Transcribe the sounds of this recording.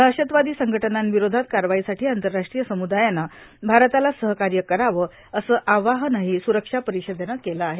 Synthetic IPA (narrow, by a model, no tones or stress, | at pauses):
dʱaɕət̪ʋad̪iːsəŋɡʱəʈənanʋiɾod̪ʱat̪̚kaɾʋaisaʈʰiːant̪əɾːaʂʈɾijəsəmud̪ajanːa | bʱaɾt̪alasəɦkaɾjəkəɾaʋə | əsəːʔaʋaɦnaɦiːsuɾəkʂapəɾiɕəd̪enakeləaɦe